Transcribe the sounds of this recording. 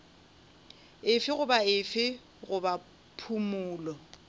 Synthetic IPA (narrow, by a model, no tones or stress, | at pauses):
ɪfɪɣʊbaɪfɪ | ɣʊba | pʰumʊːlɔ